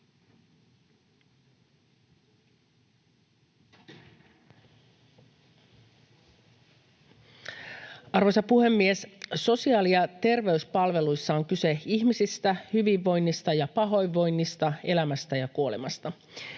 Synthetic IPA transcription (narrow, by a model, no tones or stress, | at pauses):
ɑrʋo̞jsɑpuhe̞mːiesso̞siɑːlijɑt̪e̞rʋe̞yspɑlʋe̞lujsːɑoŋkyse̞içmisist̪æhyʋiʋːo̞jnːist̪ɑjɑpɑɦo̞jʋːo̞jnːist̪ɑe̞læmæst̪æjɑkuo̞lemɑst̪ɑ